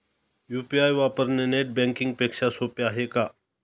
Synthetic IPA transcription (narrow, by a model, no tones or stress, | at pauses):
jupiajʋapəɾneneʈ̚bɛ̃ŋkiŋɡ̚pekʂasopeaɦeka